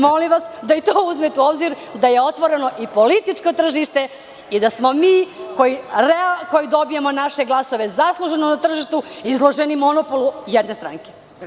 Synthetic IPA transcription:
molimʋasd̪ait̪oːuzmet̪uobziɾ | d̪aje̞o̞t̪ʋo̞ɾe̞no̞ʔipo̞lit̪it͡ʂkot̪r̩ʒiʃt̪e | id̪asmo̞miːkojiɾeko̞jid̪o̞bijemo̞naʃeɡlˠaso̞ʋe̞zaslˠuʒenonat̪r̩ʒiʃt̪uizlˠo̞ʒenimo̞nopolujɛd̪nest̪ɾa̰ŋke

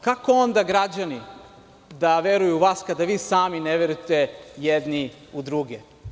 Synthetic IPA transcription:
kako̞o̞nd̪aɡɾad͡ʑani | d̪aʋe̞ɾujuʋaːskad̪aʋiːsaːmineʋeɾujt̪ejed̪ni | ud̪ɾuɡe

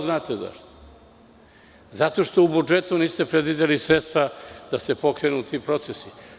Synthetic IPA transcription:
znaːt̪eza̰ʃt̪o̥ | zat̪o̞ʃt̪o̞ubud͡ʒet̪uniːst̪e̞pɾed̪ʋid̪elisɾet̪st̪ʋad̪̥ase̞po̞kɾenuːt̪ʰiːpɾo̞t̪sesi

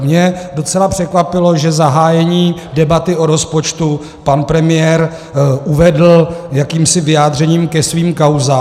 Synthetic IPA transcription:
mɲɛdo̞t͡sɛlapr̥ɛkvapɪlo̞ʒɛzaɦaːjɛɲiːdɛbat̪ɪʔoɾo̞spo̞t͡ʃt̪u | panpɾɛmɪjɛɾ | ʔuvɛdl̩jakiːmsɪvɪjaːdr̝ɛɲiːmkɛsviːmkawzaː

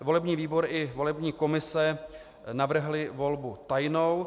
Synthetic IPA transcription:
vo̞lɛbɲiːviːbo̞ɾʔɪvo̞lɛbɲiːko̞mɪsɛ | navr̩ɦlɪvo̞lbut̪ajnow

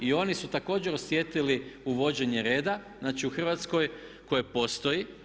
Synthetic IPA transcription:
io̞nisut̪ako̞ːd͡ʑe̞ɾo̞sjet̪iliuʋo̞d͡ʑe̞ɲe̞ɾe̞ːd̪aznaːt͡ʃiuxr̩ʋat̪sko̞jko̞jepo̞st̪o̞ji

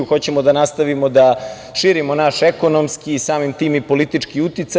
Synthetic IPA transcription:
uxot͡ɕemod̪anast̪aʋimod̪a | ʃiːɾimonaʃeko̞nomskiːsaːmimt̪iːmipo̞lit̪it͡ʂkiut̪it̪sa

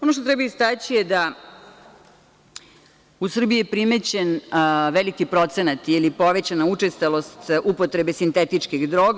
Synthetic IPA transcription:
onoʃt̪ot̪ɾɛbajist̪at͡ɕijed̪a | usr̩biijepɾime̞t͡ɕenʋelikipɾo̞t̪se̞nat̪ilipo̞ʋe̞t͡ɕanaut͡ʂest̪alo̞st̪upo̞t̪ɾe̞besint̪e̞t̪it͡ʂkiɣd̪ɾo̞ɡ

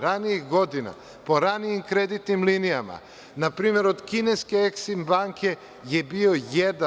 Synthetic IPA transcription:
ɾaniiɣɡod̪ina̰ | poɾaniimkɾed̪it̪nimlinijama̰ | napɾiːmeɾod̪kineskeeksimbaŋkʰe | jebiojed̪a

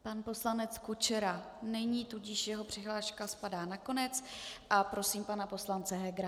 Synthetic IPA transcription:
panpo̞slanɛt͡skut͡ʃɛɾa | nɛɲiːt̪uɟɪʃjɛɦo̞pr̝̥ɪɦlaːʃkaspadaːnako̞nɛt͡sʔapɾo̞siːmpanapo̞slant͡sɛɦɛɡɾa

